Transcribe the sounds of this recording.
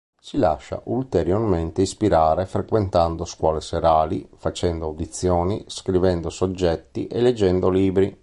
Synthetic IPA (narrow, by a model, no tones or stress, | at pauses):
sila̰ʃːa̰ʔult̪eɾjorment̪eispiɾaːɾefɾekwent̪and̪oskwɔːleseɾaːlifat͡ʃɛnd̪oawd̪it̪sːjɔːniskɾivɛnd̪osod͡ʒːɛt̪ːiʔeled͡ʒːɛnd̪oliːbɾi